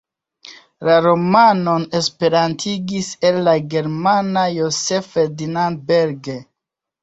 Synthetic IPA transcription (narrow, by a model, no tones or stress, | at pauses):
laɾo̞mano̞ne̞spe̞ɾantʰiɡise̞lːaɡe̞ɾmanajo̞se̞feɾdinandbeɾɡe